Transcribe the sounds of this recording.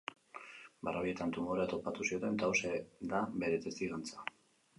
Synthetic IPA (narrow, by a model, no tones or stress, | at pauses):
ba̰raie̞t̪ant̪umoɾeat̪o̞pat̪usio̞t̪e̞nt̪awsed̪abe̞ɾe̞t̪est̪iɣant͡sḁ